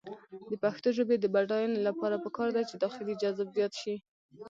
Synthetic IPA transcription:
d̪əpaxt̪oʒəbed̪əbaɖɑjɑnolapɑɾapəkɑɾd̪at͡ʃed̪ɑxɪlid͡ʒazbzjɑt̪ʃi

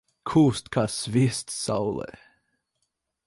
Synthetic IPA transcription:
kʰust̪kʰasvɪst̪sa̰wlə̰

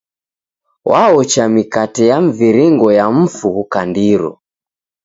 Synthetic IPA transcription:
wʔaɔt͡ʃamikatɛjaɱ̩viɾiŋɡɔjam̩fukandiɾɔ̰

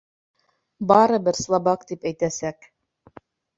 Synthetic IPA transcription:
bɑɾɤbɘɾslˠɑbɑkt̪ipæjt̪æsæk

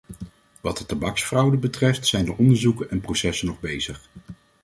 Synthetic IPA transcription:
ʋɑtdətabɑksfrɑwdəbətrɛftsɛjndəʔɔndəɹzukənʔɛnprowsɛsənɔχbejz̥əχ

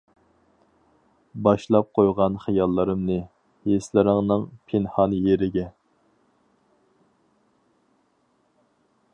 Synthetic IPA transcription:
bɑʃlˠɑp̚qʰojʁɑnχijɑlˠːɨɾɨmnɨ | jeslɪɾɪŋnɨŋpʰenhɑnjeɾɪɡʲɛ

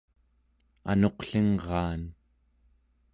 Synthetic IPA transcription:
a̰no̞qɬiŋʁɑːn

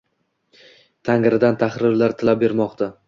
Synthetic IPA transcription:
t̪ʰaŋɾɪd̪ant̪ʰaχɾɪɾlaɾt̪ʰɪlap̚be̞ɾmɒqt̪ʰa

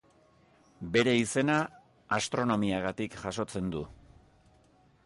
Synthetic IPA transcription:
be̞ɾe̞ise̞na | ast̪ɾo̞no̞miaɣat̪ikʝaso̞t͡se̞nd̪u

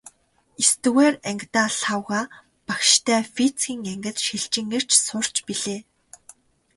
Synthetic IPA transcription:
est̪ɘ̆ɣæːræŋkʲt̪aːɬχawʁaː | pakʃt̪ʰæːfit͡sɡʲiːŋæŋɡʲɘ̆t̪ʃiɬt͡ɕɪ̆ŋɘ̆r̥t͡ɕsʊr̥t͡ɕpiɮeː

